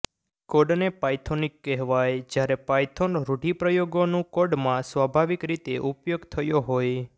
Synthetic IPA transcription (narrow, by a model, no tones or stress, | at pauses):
koɖnepajt̪ʰonikːɛɦʋajd͡ʒjaɾepajt̪ʰonɾuʈipɾəjoɡonũkoɖmãsʋabʱaʋikɾit̪eʔupjoɡt̪ʰəjoɦoj